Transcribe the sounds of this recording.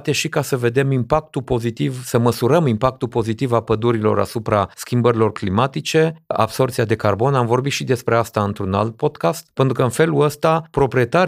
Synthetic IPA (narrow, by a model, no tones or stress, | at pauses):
t̪e̞ʃikasəve̞d̪e̞mimpakt̪upo̞zit̪ivsəməsuɾəmimpak̚t̪upo̞zit̪ivapəd̪uɾilo̞̰ɾa̰supɾaskʲimbəɾilo̞rklimat̪it͡ʃe̞a̰bso̞rt̪siad̪e̞karbo̞namvo̞rbit̪ʃid̪e̞spɾe̞ast̪aɨnt̪ɾuna̰lt̪̚po̞d̪kast̪̚pent̪ɾukəɨnfe̞luəst̪apɾo̞pɾie̞t̪aɾ